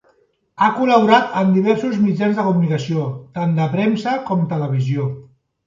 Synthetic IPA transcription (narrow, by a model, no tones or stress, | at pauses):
akuləβuɾat̪ənd̪iβ̞ɛɾsuzmid͡ʒanzðəkumunikəsiot̪and̪əpɾɛmsəkɔmt̪ələβ̞izio